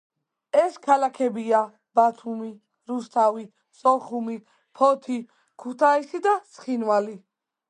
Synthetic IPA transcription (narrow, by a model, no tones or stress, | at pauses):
ɛskʰalakʰɛbia | b̥at̪ʰumi | ɾust̪ʰavi | sʼɔχumi | pʰɔt̪ʰi | kʰut̪ʰaisid̪asχinvali